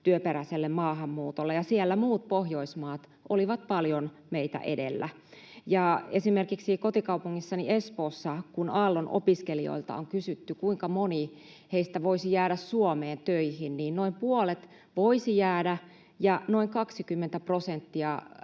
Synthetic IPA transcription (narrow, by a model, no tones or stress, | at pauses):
t̪yøpeɾæiselːemmɑːɦɑmːuːt̪olːejɑsielːæmuːt̪̚pohjoismɑːt̪ | ʔoliʋɑt̪̚pɑljon | meit̪æ̰ʔedḛlːæ | jɑesimerkiksikot̪ikɑupuŋːisːɑniespoːsːɑkunɑːlːonʔo̰piskelio̰ilt̪ɑ̰oŋkysyt̪ːykuiŋkɑmoni | heist̪æʋoisijæːɾæssuomeːnt̪øihinniːnnoimpuolet̪ | ʋoisijæːdæ | jɑno̞iŋkɑksikymːent̪æprosent̪ːiɑ